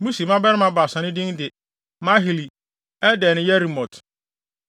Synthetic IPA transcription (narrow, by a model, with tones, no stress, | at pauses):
mũ˦si˨mã˦bɛ˦ɾɪ˦mã˦ba˨sã˨nɪ̃˦dɪ̃˦ndɪ˨ | mã˦ɦi˨li˨ | ɛ˦dɛ˨nɪ̃˦jɛ˦ɾi˨mɔ̃˨tʰ